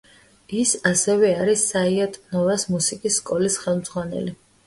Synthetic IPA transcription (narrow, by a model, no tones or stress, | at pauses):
isasɛvɛaɾisːaiat̪ʼnɔvasmusikʼisːkʼɔlisχɛlˠmd̪z̥ʁwanɛ̰li